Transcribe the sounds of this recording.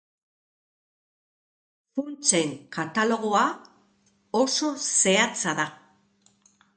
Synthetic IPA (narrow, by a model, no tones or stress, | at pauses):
funt͡se̞ŋkat̪alo̞ɣ̞o̞a | oso̞se̞at͡saða